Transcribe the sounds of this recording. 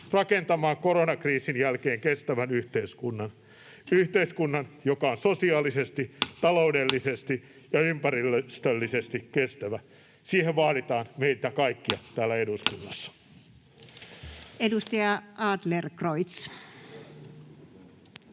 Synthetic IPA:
rɑkent̪ɑmɑːŋkoronɑkriːsinjælkeːŋkest̪æʋænyht̪eiskunːɑn | yht̪eiskunːɑnjokɑonsosiɑːlisest̪it̪ɑloudelːisest̪i | jɑympærilːst̪ølːisest̪ikkest̪æʋæ | siːheʋʋɑːɾit̪ɑːnmeit̪ækɑikːiɑt̪æːlːæeduskunːɑsːɑ̥ | edust̪ɑjɑɑːd̪lerkroit̪s

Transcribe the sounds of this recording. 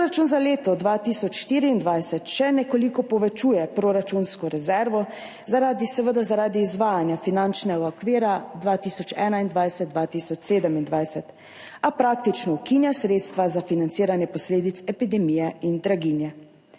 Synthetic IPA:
pɾoɾat͡ʃunzaleːt̪ɔd̪ʋaːt̪isɔt͡ʃʃt̪iːɾiːnd̪ʋajsɛt̪ʃɛnɛkɔlikɔpɔʋɛt͡ʃujɛpɾoɾat͡ʃunskɔɾɛzɛɾʋɔ | zaɾaːd̪isɛʋəd̪azaɾaːd̪iːzʋaːjanjafinant͡ʃnɛɡaɔkʋiːɾad̪ʋaːt̪iːsɔt͡ʃɛːnaind̪ʋajsɛt̪̚d̪ʋat̪isɔt͡ʃseːd̪əmind̪ʋajsɛt̪ | apɾaːk̚t̪it͡ʃnɔukinjasɾeːt̪st̪ʋazafinant̪siːɾanjɛpɔsleːd̪it̪sɛpid̪ɛmijɛind̪ɾaɡinjɛ

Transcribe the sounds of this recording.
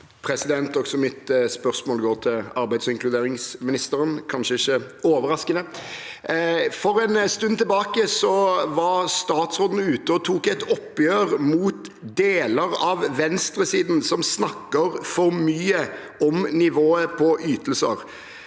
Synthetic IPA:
pʰɾɛsɪd̪ɛnt̪ɔksɔmɪt̪spœʁsmoːlɡoːʁt̪ʰɪlɑɾbæɪd̪sɪŋkʰlʉd̪eːɾɪŋsmɪnɪst̪əɾənkʰɑnʃəɪçːəoːʋəɾɑskənə | fɔɾɛnst̪ʉnːt̪ʰɪlbɑːkəsɔʋɑɾst̪ɑːt̪sʁoːd̪n̩ʉːt̪əɔt̪ʰuːkɛt̪ɔpːjøːɾmuːt̪d̪eːləɾɑʋʋɛnst̪ɾəsiːd̪n̩sɔmsnɑkːəɾfɔɾmyːə | ɔmnɪʋoːəpʰɔʔyːt̪əlsə̰ɾ

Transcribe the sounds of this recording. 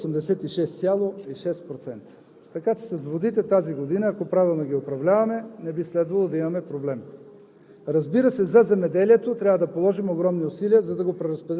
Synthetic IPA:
sɛmd̪ɛsɛt̪iʃɛst̪sʲjalˠoiʃɛst̪pɾot̪sɛnt̪ə̥ | t̪ɐkat͡ʃɛ̥sɐsvod̪it̪ɛt̪aziɡod̪inəːkopɾavilˠnoɡʲiopɾɐvlʲavɐmɛnɛbislɛd̪vɐlˠod̪ɐimɐmɛpɾoblɛm | ɾɐzbiɾəsɛzɐzɛmɛd̪ɛliɛt̪ot̪ɾʲavəd̪ɐpolˠɔʒimoɡɾɔmniosiliəzɐd̪ɐɡopɾɛɾɐspɛd̪

